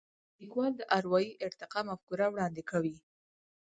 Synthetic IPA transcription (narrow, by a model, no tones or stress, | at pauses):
likwɑld̪əʔaɾwɑjiʔɪɾt̪ɪqɑmafkuɾawɽɑnd̪ɪkawi